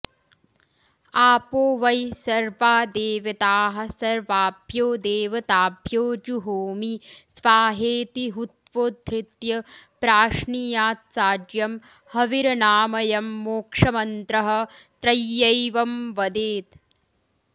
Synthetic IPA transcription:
aːpoːʋɐjsɐɾʋaːd̪eːʋɐt̪aːɦɐ̆sɐɾʋaːbʱjoːd̪eːʋɐt̪aːbʱjoːd͡ʒuɦoːmisʋaːɦeːt̪iɦut̪ʋoːd̪ʱɾɪt̪jɐpɾaːʂɳijaːt̪saːd͡ʒjɐm | hɐʋiɾɐnaːmɐjɐmːoːkʂɐmɐnt̪ɾɐɦɐ̆t̪ɾɐjːɐjʋɐmʋɐd̪eːt̪

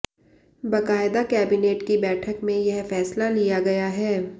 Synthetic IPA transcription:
bɐkaːɪd̪akɛːbineːʈkibɛːʈʰəkmẽjɐɦfɛːslalijaɡɐjaɦɛː

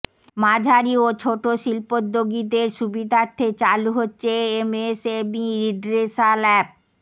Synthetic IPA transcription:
mad͡ʑʱaɾiot͡ɕʰoʈoʃilpod̪ːoɡid̪eɾʃubid̪ʱaɾt̪ʰet͡ɕaluɦotːɕʰeemesebiɾiɖɾesalɛp̚

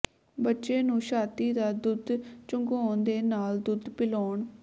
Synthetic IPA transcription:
bətːʃeːnũːʃaːt̪iːd̪aːd̪ʊd̪t͡ʃʊŋɡoːnd̪eːnaːld̪ʊd̪pɪloːɳ

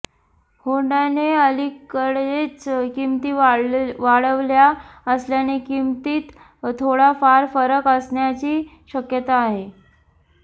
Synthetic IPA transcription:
hoɳaneəlikəɽet͡skimt̪iːʋaɽəʋljaəsljanekimt̪iːt̪ | t̪ʰːoɽafaɾfəɾəkəsɳjat͡ɕiː | ɕəkjət̪aːɦe

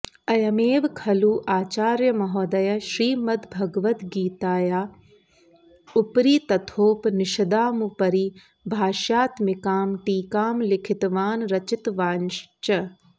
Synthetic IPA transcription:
ɐjɐmeːʋkʰɐluːʔaːt͡ʃaːɾjɐmɐɦɔːd̪ɐjɐʃɾiːmɐd̪bʱɐɡʋɐt̪ɡiːt̪aːjaː | upɾiːt̪ɐt̪ʰoːpnɪʃɐd̪aːmupɐɾiː | bʱaːʃaːt̪mɪkaːmʈiːkaːmlɪkʰɪt̪ʋaːnɾɐt͡ʃɪt̪ʋaːnʃt͡ʃɐ

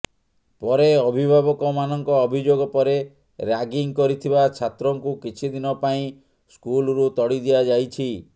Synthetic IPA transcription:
pɔɾeɔbʱibʱabɔkɔmanɔŋkɔːbʱid͡ʒoɡɔpɔɾe | ɾaɡiŋkɔɾit̪ʰibat͡ʃʰat̪ɾɔŋkukit͡ʃʰid̪inɔpaĩ | skulɾut̪ɔɽid̪iad͡ʒajt͡ʃʰi

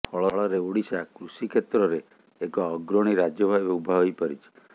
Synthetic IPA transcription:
pʰɔɭɔɭɔɾeuɽisakɾusikʰet̪ɾɔɾeː | kɔːɡɾɔɽ̃iɾad͡ʒjɔbʱabeubʱaɦojpɔɾit͡ʃʰi̥

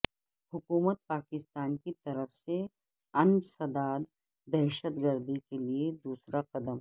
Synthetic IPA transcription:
hʊkuːmət̪̚paːkɪst̪aːnkit̪ɐɾəfse | ɐ̃nd͡ʒsɐd̪aːd̪ | d̪ɛːʃət̪ɡəɾd̪ikelied̪uːsɾaqɐd̪əm

